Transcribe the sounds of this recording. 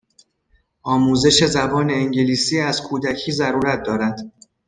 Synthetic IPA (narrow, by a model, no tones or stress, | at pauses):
ʔɒːmuːze̞ʃe̞zæbɒːne̞ːŋɟeliːsiːæz̥kʰuːd̪æcʰiːzæɾuːɾæt̪̚d̪ɒːɾæd̪̥